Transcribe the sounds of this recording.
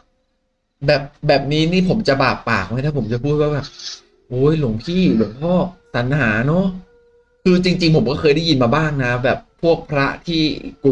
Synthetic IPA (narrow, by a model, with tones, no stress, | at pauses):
bɛː˨˩p̚bɛː˨˩p̚niː˦˥niː˥˩pʰo˩˦mt͡ɕa˨˩baː˨˩k̚pːaː˨˩k̚ma˦˥jt̪a˥˩o˩˦mt͡ɕa˨˩pʰuː˥˩t̪̚waː˥˩bɛː˨˩p̚ | ʔoː˨˦˥jlo˨˩˦ŋp̪ʰiː˥˩bu˨˩˦ŋpʰɔː˥˩sa˩˦nhaː˩˦nɔ˦˥ | kʰɯː˧t͡ɕi˧ŋt͡ɕi˧ŋpʰo˨˩˦mkɔː˥˩kʰɤː˧jɾa˥˩ji˧nmaː˧baː˥˩ŋna˦˥bɛː˨˩pʰːu˥˩ək̚pʰɾa˦˥t̪ʰiː˥˩ku˨˩